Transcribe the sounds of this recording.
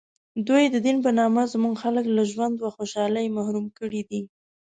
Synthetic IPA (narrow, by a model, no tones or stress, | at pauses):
d̪ujd̪əd̪inp̬ənɑmazmuɡxaləklaʒwand̪waxoʃɑlajmahɾumkəɽid̪i